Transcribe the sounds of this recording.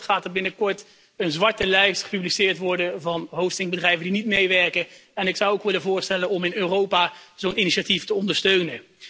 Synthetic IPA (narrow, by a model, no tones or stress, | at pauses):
χaːtəbɪnəkɔɹt | ənzʋɑɹtəlɛjstχə̥pyblisɪːɹtʋɔɹdəvɑnɦowfstɪŋbədrɛjvəndinitmejʋɛɹkəɛnɪksɑwokʋɪləvʊːɹstɛlənɔmɪnøːrowpaːzowniniʃatiftəɔndəɹstøɥnə